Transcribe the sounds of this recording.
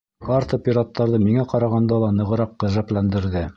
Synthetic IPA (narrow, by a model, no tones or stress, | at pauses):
kɑɾt̪opʲiɾat̪ːɑɾðɤmiŋæqɑɾɑʁɑnd̪ɑlˠɑnɤ̆ʁɤ̆ɾɑqːɤ̆ʒæplænd̪ɘ̆ɾðɘ